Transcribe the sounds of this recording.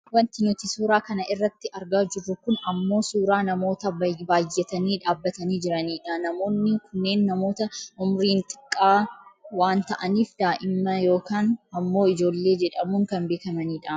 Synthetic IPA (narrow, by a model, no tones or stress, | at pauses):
wɐnt̪ɪnʊt̪ɪsuːɾaːkɐnɐʔɪrːɐt̪ːɪʔɐɾɡaːd͡ʒɪrːʊkʊnɐmːo̞ːsuːɾaːnɐmo̞ːt̪ɐbaːjːɛt̪ɐniːᶑaːbːɐt̪ɐniːd͡ʒɪɾɐniːᶑaːnɐmo̞ːnːɪkʊnːe̞ːnːɐmo̞ːt̪ɐʔʊmɾiːnt̪ʼɪ̥kʼːaːwaːnt̪ɐʔɐniːfd̪aːʔɪmːɐjo̞ːkaːnɐmːo̞ːɪd͡ʒo̞ːlːe̞ːd͡ʒɛᶑɐmʊŋkɐnbe̞ːkɐmɐniːᶑa